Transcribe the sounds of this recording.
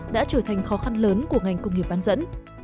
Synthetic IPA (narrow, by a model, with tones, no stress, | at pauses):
ɗa̰ː˧˥t͡ɕəː˧˩t̪ʰa˨˩jŋ̟xɔ˨˦xa˧nləː˨˦nku˧˩əŋa˨˩jŋ̟kʊ˧ŋ͡mŋi˨˩əp̚aː˧nzə̰˧˥n